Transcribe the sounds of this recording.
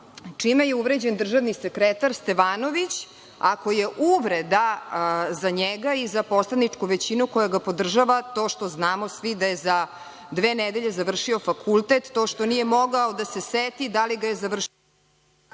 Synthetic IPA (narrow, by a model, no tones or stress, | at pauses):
t͡ʂimejeuʋɾed͡ʑend̪r̩ʒaʋnisekɾet̪aɾst̪eʋaːno̞ʋit͡ɕ | akojeʔuʋɾed̪a | zaɲeɡaizapo̞slad̪nit͡ʂkuʋet͡ɕinuko̞jaɡapo̞d̪r̩ʒaʋat̪o̞ːʃt̪o̞znaːmo̞sʋid̪ajeza | d̪ʋeːned̪eʎezaʋr̩ʂio̞fakʰulˠt̪et̪ːo̞ʃt̪o̞nije̞mo̞ɡaod̪ase̞set̪id̪aliɡajezaʋr̩